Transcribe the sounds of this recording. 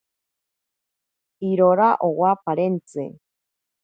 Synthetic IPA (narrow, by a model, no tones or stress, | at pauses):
iɾoɾaʔowapaɾent͡sɨ̰